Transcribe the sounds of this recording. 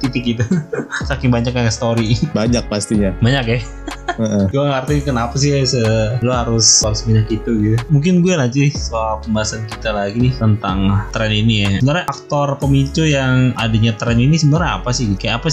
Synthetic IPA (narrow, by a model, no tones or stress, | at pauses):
t̪it̪ɪk̚ɡit̪̬usakɪŋbaɲak̚aŋast̪oɾibaɲak̚past̪iɲabaɲakja | əʔəɡuaŋart̪ikənapas̬ɪhasəloɦaɾʊsaɾʊsbaɲakit̪uɡit̪umuŋk̬ɪnɡuɛlat͡ʃiɪhsoalpəmbaɦasankit̪alaɡinɪht̪ənt̪aŋt̪ɾɛninijaəbənaɾɲaak̚t̪ɔrpəmit͡ʃujaŋadaɲat̪ɾɛninisəbənarɲaa̰pasɪhɡit̪kajaapas